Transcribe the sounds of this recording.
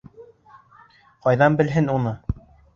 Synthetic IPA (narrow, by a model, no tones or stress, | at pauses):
qɑjðɑnbɘ̆lɦɘnunɤ